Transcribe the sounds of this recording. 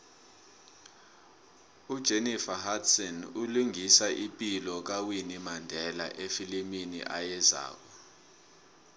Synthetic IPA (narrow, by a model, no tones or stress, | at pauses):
ud̥ʒ̥ʱenifahatsɔnuluŋisaʔipʼilɔk̬awinimandʱɛla̰ʔefiliminḭʔajɛza̰ːk̬ɔ